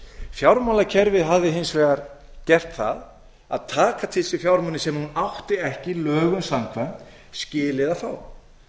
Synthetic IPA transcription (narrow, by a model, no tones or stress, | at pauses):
fjawɾmawlacʰɛɾvɪðɦavðɪɦɪnsvɛːɣaɾcɛr̥t̪θa̰ð | a̰ðt̪ʰaːkat̪ʰɪlsɪfjawɾmanːɪsɛmhunawht̪ɪɛhcɪlœːɣʏnsamkʰvɛmt̪ | scɪːlɪðafaw